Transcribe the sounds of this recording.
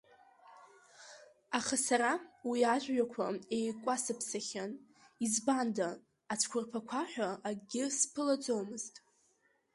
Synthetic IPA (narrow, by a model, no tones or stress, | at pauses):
aχasaɾawiaʒʷᶣɥakʷʰae̞jkʷʼasɨpʰsaχʲan | izbandaː | t͡sʷʰkʷʰʊrpʰakʷʰaħʷᶣaːɡʲɪspʰɨlad͡zʼo̞wmɨztʼ